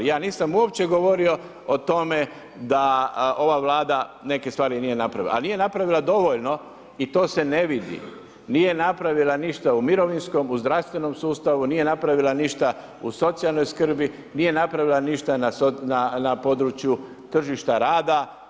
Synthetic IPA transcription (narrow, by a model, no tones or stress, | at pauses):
jaːniːsamuop̚t͡ɕe̞ɡo̞ʋo̞ɾio̞ | ot̪o̞me̞ | d̪ao̞ʋaʋlaːd̪ane̞kest̪ʋaːɾinije̞napɾaʋila̰a̰lnije̞napɾaʋilˠad̪o̞ʋo̞ʎno̞ | it̪o̞ːse̞ne̞ʋid̪ḭ | nije̞napɾaʋilaniʃt̪aumiɾo̞ʋinsko̞muzd̪ɾaʋst̪ʋe̞no̞msuːst̪aʋuniːje̞napɾaʋilaniʃt̪a | uso̞t̪sialno̞jskr̩bi | niːje̞napɾaʋilˠaniʃt̪anasonanapo̞d̪ɾut͡ʃju | t̪r̩ʒiʃt̪aɾaːd̪a